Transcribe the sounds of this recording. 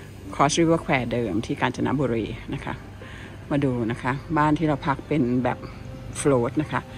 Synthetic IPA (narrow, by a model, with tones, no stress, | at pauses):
kʰɔː˨˦sɾi˦˥wkʰwɛː˨˩dɤː˧mt̪ʰiː˥˩kaː˧nt͡ɕʰa˧na̰˦˥ʔbuː˧ɾiː˧na˦˥kʰa̰˦˥ʔ | maː˧duː˧na˦˥kʰa˦˥baː˥˩nt̪ʰiː˥˩ɾa˧wpʰa˦˥k̚pe˧nbɛ̰ː˨˩p̚ | floː˦˥t̪̚na˦˥kʰa˦˥ʔ